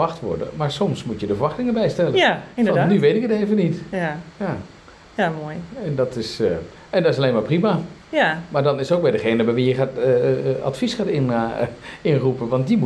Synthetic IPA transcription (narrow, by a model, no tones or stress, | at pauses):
axtʋɔ̰ɹdə̰maɹsɔmsmutjədəfəɹʋɑxtɪŋəbɛjstɛləfɔnnyʋejtɪkəteːvənitja | jamojɛndɔtɪsə | ɛndɔtɪsaleːnmaːɹprimajamaɹdɔnɪsowkʋɛdəχeːnəbɛjʋijəxatəa̰tfisxaːtɪn | ɪnrupəʋɑnt̚dimu